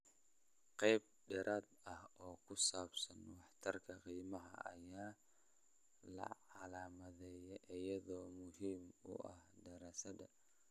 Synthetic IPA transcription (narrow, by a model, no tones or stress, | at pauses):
qɑjb̚ | ɖɛɾʔaːd̪ɐhɔːkʰʊsaːbsɐnwɑħt̪ʰɐrkʰɐqiːmɐɦɐ̰ʔɐjaː | lɐ̰ʕɑlaːmɐðɛːjɛʔɪjɐðɔːmʊhiːmʊ̰ʔɐhd̪ɐɾasɐdɐ